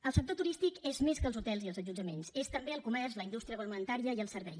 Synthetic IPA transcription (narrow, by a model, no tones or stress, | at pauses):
əlˠsək̚t̪ot̪uɾist̪ikezmeskəlzut̪ɛlˠziəlˠzəʒud͡ʒəmensest̪əmbeəlˠkumɛrzləindust̪ɾijəβəlmənt̪aɾiəiəlˠsəɾβɛj